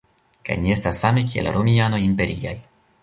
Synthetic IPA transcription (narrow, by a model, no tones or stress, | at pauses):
ka̰jnie̞stasːamekiḛlɾomiano̞jimpe̞ɾia̰j